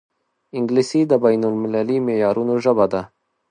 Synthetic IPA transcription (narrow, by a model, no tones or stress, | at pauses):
ɪŋɡlisid̪əbajnʊlmɪlalimejɑːɾunoʒəbad̪a